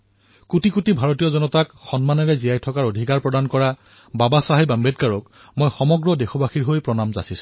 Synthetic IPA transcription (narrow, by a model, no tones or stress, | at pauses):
kutikutibʱaɹotijɔzɔnɔtakxɔnmanɛɹɛzijajtʰɔkaɹodʱikaɹpɹɔdankɔɹa | babasaɦajbambet̚kaɹɔk | mojxɔmɔɡɹɔdexʰɔbaxiɹɦojpɹɔnamza̰sisʊ̥̃